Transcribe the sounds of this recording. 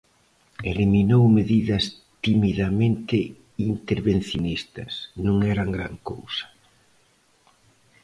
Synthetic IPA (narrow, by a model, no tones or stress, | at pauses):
eliminowmeðiðɐs | t̪imiðamẽnt̪ɪ | int̪eɾβenθjonist̪ɐsnũŋɛɾaŋɡɾa̰ŋko̰wsɐ̥